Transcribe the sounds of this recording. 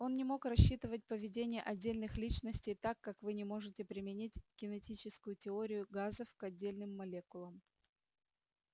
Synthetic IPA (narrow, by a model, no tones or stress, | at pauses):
o̞nnʲɪmo̞krɐɕːit̪ɨvət̚ʲpəvʲɪdʲenʲɪjəʔɐdʲːelʲnɨxlʲit͡ɕnəsʲtʲɪjt̪akːakvɨnʲɪmo̞ʐɨtʲɪpɾʲɪmʲɪnʲitʲɡ̥ʲɪnʲɪtʲit͡ɕɪskʊjʊtʲɪo̞ɾʲɪjʊɡazəfkɐdʲːelʲnɨmːɐlʲekʊlˠəm